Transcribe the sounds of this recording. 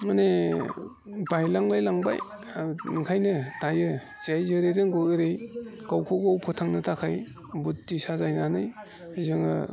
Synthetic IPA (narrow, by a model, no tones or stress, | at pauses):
mane | bajlaŋlajlaŋba̰j | nɯŋkʰajnɯtajɯ | zajzɯɾeɾɯŋɡoɯɾejkawkʰoɡawpʰɔtʰaŋnɯtʰakʰaj | butːisazajnanɯj | azɯŋɯ̰